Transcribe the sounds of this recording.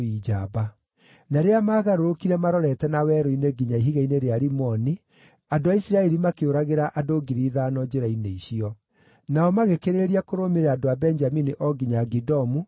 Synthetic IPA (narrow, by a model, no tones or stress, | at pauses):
id͡ʒaba | naɾeamaːɣaɾoɾokiɾɛmaɾɔɾɛtɛnawɛɾoineɡiɲaiɦiɣaineɾeaɾimɔni | adoaisiɾaɛɾimakeoɾaɣeɾaʔadoɡiɾiðaːnɔd͡ʑeɾaineiɕiɔ | naɔmaɣekeɾeɾiakoɾomeɾɛadoabɛnd͡ʒaminiʔɔɡiɲaɡidɔmu